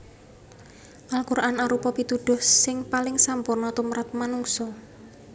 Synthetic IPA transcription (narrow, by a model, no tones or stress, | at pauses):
ʔalkuɾʔanaɾupɔpit̪uɖ̥ʊ̤hsɪŋpalɪŋsampʊrnɔt̪umɾat̪̚manuŋsɔ